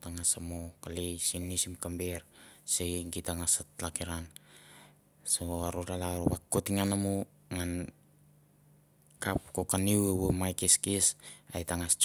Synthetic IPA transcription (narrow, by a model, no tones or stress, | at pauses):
taŋasamokalejsinːisimkambeɾseɡitaŋasatlakiɾan | soaɾoɾalaɾoβakːotiŋanamu | ŋan | kapkokaniwewomajkeskesa̰jtaŋast͡ʃ